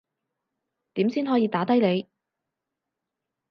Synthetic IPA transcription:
t̪iː˨˥msiː˥nɦɔː˨˥jiː˨˥t̪aː˨˥t̪ɐ˥jle˨˧j

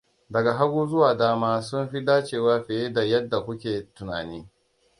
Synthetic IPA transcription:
dɐ˨ɡa˨ɦa˦ɽuː˦zʊ˦waː˨daː˦maː˦sʊ˦mɸi˦daː˦t͡ʃeː˦waː˦ɸeː˨je˦da˨jɐ˦dːa˨kʷʊ˦kʲeː˨tʊ˨na̰ː˨niː˦

